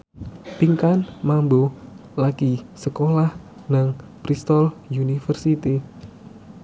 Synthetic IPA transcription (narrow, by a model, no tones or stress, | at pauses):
piŋkanmambolaɡisəkolah | naŋpɾist̪ɔljunifərsit̪i